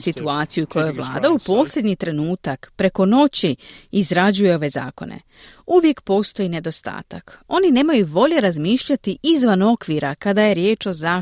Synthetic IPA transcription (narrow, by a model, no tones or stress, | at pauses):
sit̪uaːt̪sijukʰo̞jo̞jʋlˠa̰ːd̪aupo̞ːslʲe̞d̪ɲit̪ɾe̞nuːt̪akpɾe̞ko̞no̞t͡ɕiːzɾad͡ʑuje̞o̞ʋe̞za̰ːko̞̰nḛ | uʋje̞kpo̞ːst̪o̞jine̞d̪o̞st̪a̰ːt̪ako̞nine̞ːmajuʋo̞ʎe̞ɾazmiːʃʎat̪iʔizʋano̞kʋiːɾakad̪aje̞ɾje̞ːt͡ʃo̞zaː